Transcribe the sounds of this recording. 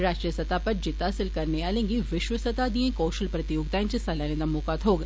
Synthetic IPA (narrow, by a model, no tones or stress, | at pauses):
ɾaːʃʈɾijəsɐt̪aːpɐɾd͡ʒɪt̪asɪlkɐɾneaːlẽːŋɡiʋɪʃʋəsɐt̪aːd̪iẽkoːʃəlpɾɐt̪ijoːɡd̪aːnt͡ʃisɐlanẽd̪ɐmoːkaːt̪ɦoːɡ